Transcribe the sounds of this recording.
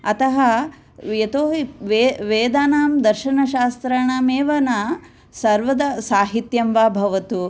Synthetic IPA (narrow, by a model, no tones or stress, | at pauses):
ɐt̪ɐɦɐ | ʋjɐt̪oːɦiʋeʋeːd̪aːnaːmd̪ɐɾʃɐnɐʃaːst̪ɾaɳaːmeːʋɐnɐ | sɐɾʋɐd̪ɐsaːɦit̪jɐmʋaːbʱɐʋɐt̪u